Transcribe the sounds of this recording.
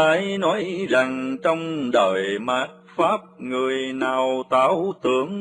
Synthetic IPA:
aː˨˦jnɔ˨˦jza˨˩ŋt͡ɕɔ˧wŋ͡mɗəː˧˨˩jmaː˦˥t̚faː˦˥p̚ŋɨ˨˩əjnaː˨˩wt̪aː˨˦wt̪ɨ˨˦əŋ

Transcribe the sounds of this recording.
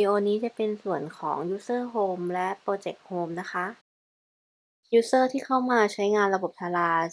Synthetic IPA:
iː˧ʔoː˧niː˦˥t͡ɕa˨˩pe˧nsu˨˩ənkʰɔ̰ː˩˦ŋjuː˦˥sɤː˥˩ɦoː˧mlɛ˦˥ʔpɾoː˧t͡ɕe˨˩k̚hoː˧mna˦˥xʰa˦˥ʔ | juː˦˥sɤː˥˩t̪ʰiː˥˩kʰa˥˩wmaː˧t͡ɕʰa˦˥jŋaː˧nɾa˧bo˨˩p̚t̪ʰaː˧laː˧

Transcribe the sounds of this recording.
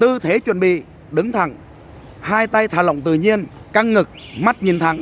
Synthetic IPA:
t̪ɨ˧t̪ʰe˨˦t͡ɕwə̰˧˩nɓḭ˧˨ | ɗɨ˨˦ŋt̪ʰa˧˩ŋ | haː˧jt̪a˧jt̪ʰaː˧˩lə̰˧˨wŋ͡mt̪ɨ̰˧˨ɲi˧ənka˧ŋŋɨ˨˩k̚ | ma˦˥t̚ɲi˨˩ənt̪ʰa˨˧˦ŋ

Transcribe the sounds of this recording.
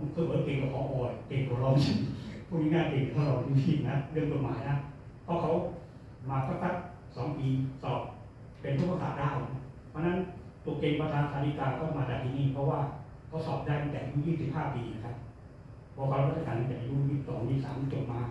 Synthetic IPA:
kʰɯː˧˩bɯː˨˦keː˧ŋk̪ɔː˧˩kʰɔː˨˦ʔɔː˨˩jkeː˨˧˩ŋkʰɔː˨˧˦lɔː˧˩ŋi˧˩pʰuː˥˩miː˦˥ŋaː˧˥˩keː˨˧˩ŋ˨˩kʰɔ˧˦lɔː˧˩ŋtʰi˧tʰiː˧˩˨na˦˥ɾɯ˥˩əŋt͡ɕo˨t̪̚ma̰ː˨˦jna˦˥ | pʰɔ˦˥kʰa˦˥w | maː˧kʰa˦˥˩ka˦˥t̪̚ | sɔː˨˩˦ŋpiː˧sɔː˨˩p̚ | pe˧nt̪ʰu˦˥pːa˧sa̰ː˨˩t̪̚daː˥˩wna˦˧˥ | pʰɔ˧˥˧na˦˥n | t̪u˨˧˩ke˧ŋpa˧t̪ʰaː˧t̪ʰaː˧li˦˥kaː˧nkʰɔː˧˥˩maː˧t̪aː˨˩k̚t̪ʰiː˧niː˧˩pʰɔ˦˥waː˥˩ | kʰa˦˥˩wsɔː˨˩p̚daː˥˩jt̪a˧˩ŋt̪ɛː˨˩˧uː˦˥˨jiː˥˩ŋsi˨˩p̚haː˥˩piː˧na˦˥kʰa˦˥p̚ːʰ | ɔː˧kʰa˧˥˧ɾt̪̚ːʰa˧kaː˨˧na˧˩t͡ɕ̪ɛː˨˩pa˧juː˧˥˩i˦˧˩t̪ɔː˨˩ni˧˥˩sa̰ː˨˩˦m˧˦t͡ɕo˨˩t̪̚maː˨˧˦

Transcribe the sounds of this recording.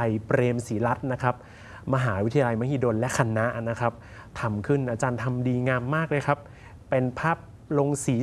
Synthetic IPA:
a˧jpɾeː˧msiː˩˦la˦˥t̪̚na˦˥kʰa˦˥p̚ | ma˧ɦaː˩˦wt̪ʰja˧la˧jma˦˥˩hiː˧˩doː˧nlɛ˦˥kʰa˧na˦˥ʔna˦˥kʰa˦˥p̚ | t̪ʰa˧mkʰɯ˥˩nʔaː˧t͡ɕaː˧nt̪ʰa˧mdiː˧ŋaː˧mːaː˥˩k̚lɤː˧jkʰa˦˥p̚ː | e˧npʰaː˥˩p̚ | lo˧ŋsiː˩˦

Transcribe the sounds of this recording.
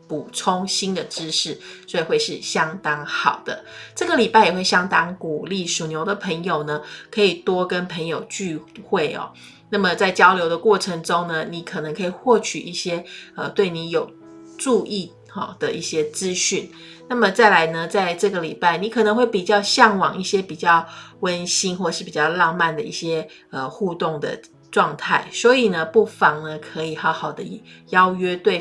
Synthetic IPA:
pu˨˩ʈ͡ʂʰʊ˥ŋɕi˥nd̪ə˨ʈ͡ʂɻ̩˥˦ʂɻ̩˥˩swɔ˧˥i˨˩xwe˥˧ɪʂɻ̩˥˩ɕjɑ˥ŋt̪ɑ˥ŋxɑ˨˩ʊd̪̥ə̰˦ʈ͡ʂɤ˥˩ɡə˨li˨˩pa˥˩ɪjɛ˨˩we˥˩ɪɕjɑ˥ŋt̪ɑ˥ŋku˨˩li˥˩ʂu˨˩njo˧˥ʊd̪ə˨pʰə˧˥ŋjo˨˩ʊnə˩kʰɤ˧˥i˨˩t̪wɔ˥kə˦npʰə˧˥ŋjo˨˩ʊt͡ɕy˥˧xwe˥˩ɪɔ̰˩ | na˥˩mə˩t͡sa˥˩ɪt͡ɕjɑ˥ʊljo˧˥ʊd̪ə˧kwɔ˥˩ʈ͡ʂʰə˧˥ŋʈ͡ʂʊ˥ŋnə˨ni˧˥kʰɤ˨˩nɤ˧˦ŋkʰɤ˧˥i˨˩xwɔ˥˩t͡ɕʰy˨˩ʔi˥˩ɕjɛ˥ə˨t̪we˥˩ɪni˧˥jo˨˩ʊ | ʈ͡ʂu˥˧ʔi˥˧ | xɔ̰˩d̪ə˨ḭ˥˩ɕjɛ˥t͡sɹ̩˦ɕy˥˩n | na˥˩mə˨t͡sa˥˩ɪla˧˥ɪnə˧t͡sa˥˧ɪʈ͡ʂɤ˥˩ɡə˩li˨˩pa˥˩ɪni˨˥kʰɤ˨˩nə˧˥ŋxwe˥˩ɪpi˨˩t͡ɕjɑ˥˧ʊɕjɑ˥˩ŋwɑ˨˩ŋi˥˩ɕjɛ˥pi˨˩t͡ɕjɑ˥˩ʊwə˦nɕi˥nxwɔ˥˧ʂɻ̩˥˩pi˨˩t͡ɕjɑ˥˧ʊlɑ˥˧ŋma˥˨nd̪ə˩ḭ˥˩ɕjɛ˥ | ə˨xu˥˧t̪ʊ˥˩ŋd̪ə̰˩ | ʈ͡ʂwɑ˥˧ŋt̪ʰa˥˩ɪswɔ˧˥i˨˩nə˨pu˥˩fɑ˧˥ŋnə˧kʰɤ˧˥i˨˩xɑ˧˥ʊxɑ˨˩ʊd̪ə˦jjɑ˥ʊɥɛ˥t̪we˥˩ɪ

